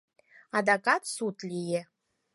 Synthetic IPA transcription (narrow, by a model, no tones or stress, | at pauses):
ad̪akʼatʰʼsutʰʼlʲijɛ